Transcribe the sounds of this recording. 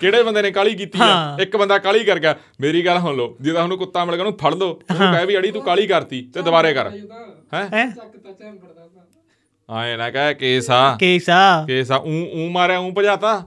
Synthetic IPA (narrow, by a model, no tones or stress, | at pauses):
keːɽeːbənd̪eːnẽːkaːliːk̬iːt̪iːɛːɪkbənd̪aːkaːliːkəɾkɛː | meːɾiːɡəlɦonloːd͡ʒɪd̪aːɦənũːkʊt̪ːaːmɪlɡaːnũːpʰəɽlõːkɛːbiːəɽiːt̪ũːkaːliːkəɾt̪iːt̪eːd̪əbaːɾeːkəɾhɛ̃ː | ã̰ːeːnãːkɛːkeːsaːkeːsaːkeːsaːʔũːũːmaːɾaːũːpəd͡ʒaːt̪aː